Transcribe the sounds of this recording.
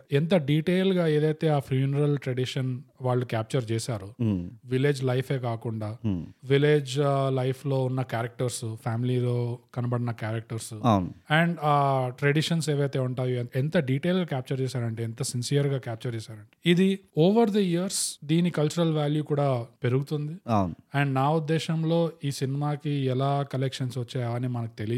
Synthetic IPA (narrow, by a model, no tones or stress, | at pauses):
ɛnt̪ɐɖiːʈeːlɡaːeːd̪ɐjt̪e̞ːaːpʰɾjuːnɐɾɐlʈɾeɽiʂɐnʋaːɭːukaːp̚t͡ʃɐɾt͡ʃɛːsaːɾuʋileːd͡ʒlɐjpʰe̞ːkaːkuɳɖaːʋileːd͡ʒlɐjpʰlo̞ːunːɐkaːɾɐk̚ʈɐɾsupʰaːmililo̞ːkɐnɐbɐɽinɐkaːɾɐk̚ʈɐɾsawnɛːɳɖaːʈɾeɖiʂɐnseːʋɐjt̪eːuɳʈaːjoɛnt̪ɐɖiːʈe̞ːlɡaːkʲaːp̚t͡ʃɐɾt͡ʃɛːsaːɾɐɳʈeːɛnt̪ɐsinsijɐɾɡaːkaːp̚t͡ʃɐɾt͡ʃɛːsaːɾɐɳʈe̥id̪ioːʋɐɾd̪ɐijɐɾsd̪iːnikɐlt͡ʃuɾɐlʋaːljuːkuːɽaːpe̞ɾuɡut̪und̪iawnuɛɳɖnaːud̪ːɛːʃɐmloːiːsinimaːkiɛlaːkɐlekʂɐnsʋɐt͡ʃːaːjɐʋɐnːimɐnɐku̥t̪e̞li